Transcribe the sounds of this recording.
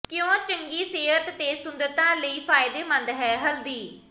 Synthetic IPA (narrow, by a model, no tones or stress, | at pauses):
kɪjõːt͡ʃəŋɡiːseːɦət̪t̪eːsʊnd̪ət̪ãːləiːpʰaːɪd̪eːmə̃nd̪ɦɛːɦəld̪iː